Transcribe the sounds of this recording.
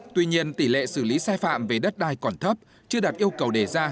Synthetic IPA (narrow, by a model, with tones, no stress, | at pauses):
t̪wi˧ɲi˧ənt̪i˧˩lḛ˧˨sɨ˧˩li˨˦saː˧jfa̰ː˧˨mve˨˩ɗə˦˥t̚ɗaː˧˩jkɔ˨˩nt̪ʰə˦˥p̚ | t͡ɕɨ˧əɗaː˨˩t̚ʔi˧əwkə˨˩wɗe˧˩zaː˧